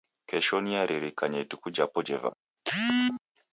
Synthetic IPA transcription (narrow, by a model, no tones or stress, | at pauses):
kɛʃɔniaɾiɾikaɲɛitukud͡ʒapɔd͡ʒɛva̰